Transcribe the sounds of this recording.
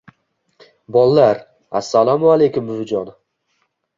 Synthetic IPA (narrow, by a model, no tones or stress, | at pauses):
bɒlˠːaɾ | a̰sːalˠamʊalejkʊmbɪvʊd͡ʒɒn